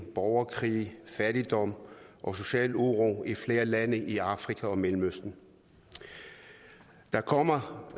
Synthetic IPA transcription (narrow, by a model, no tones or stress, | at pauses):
b̥ɒʊɐkʰʁḭːfæɾ̥id̥ɒ̽m̰ʔɒ̽so̝ɕɛ̰ːluʁoifle̝ːɐlænəʔiɑ̈fʁikʰæɒ̽melm̩øsd̥n̩ | d̥ɑ̈kʰɒ̽m̰ɐ